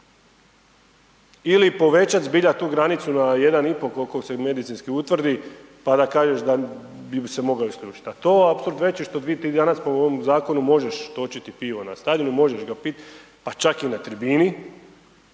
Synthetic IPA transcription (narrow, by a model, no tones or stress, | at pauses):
ilipo̞ʋe̞t͡ʃat̪zbiʎat̪uːɡɾanit̪sunaje̞d̪anipo̞kolkokseme̞d̪it̪sinskiut̪ʋr̩d̪ipad̪akaːʒeʃd̪abibse̞mo̞ɡaoiskʎʲuːt͡ʃi̥t̪at̪oːapsoulɾt̪ʋe̞t͡ʃiʃt̪od̪iːt̪iːd̪anaspomoʋomzaːko̞numo̞ʒe̞ʃt̪o̞t͡ʃit̪ipiʋo̞na̰st̪ad̪inumo̞ʒe̞ʃɡapit̪ | pat͡ʃakinat̪ɾibiːni